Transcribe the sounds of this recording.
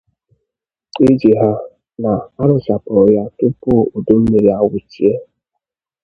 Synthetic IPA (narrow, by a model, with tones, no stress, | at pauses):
i˦d͡ʒi˨ɦa˦ | na˨a˦ɾʊ˨t͡ʃa˨pɔ˨ja˦tʊ˦pʊ˦˨o˨do˦m̩˦me˨ɾi˨a˨wʊ˨t͡ʃi˦e˦